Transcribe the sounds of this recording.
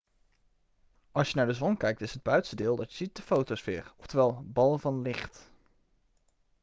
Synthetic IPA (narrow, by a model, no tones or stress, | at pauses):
ɑlˠsjənaːɹdəzʋɔŋkɛjk̚tɪsɦəd̚bœɥtsədɪːlˠdɑtjəz̥it̚dəfowtowsfɪ̰ːɹɔftəʋɛlˠbɑlˠəvɑnlɪχt